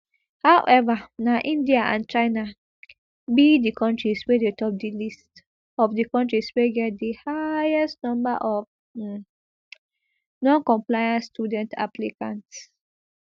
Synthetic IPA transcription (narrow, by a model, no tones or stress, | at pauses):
hawʔɛvanaʔĩndiaʔã̰nt͡ʃaɪna | bidikʰɔ̃ntɹiswedetɔp̚dilist | ɔfdikɔ̃ntɹisweɡɛt̚dihajɛstnɔ̃mbaʔɔf | nɔ̃nkɔ̃mplajãnsːtjudɛ̃nta̰plikãnts